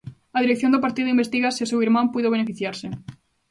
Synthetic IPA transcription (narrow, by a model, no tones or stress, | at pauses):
ɐðiɾekθjond̪ʊpaɾt̪iðʊimbest̪iɣasisewiɾmãmpujðoβ̞enefiθjaɾsɪ